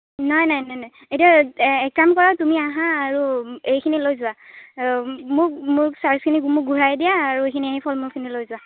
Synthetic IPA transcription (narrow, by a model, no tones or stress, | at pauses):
nɔjnajnɔjnɔj | ejtiaɛkɹamkɔɹatumiaɦaːɹuejkʰinilojzʊwa | mʊɹkmʊɹsaɹskʰinimʊɡʱuɹajdijaːɹuejkʰiniaɦipʰɔlmʊɹkʰinilojzʊwa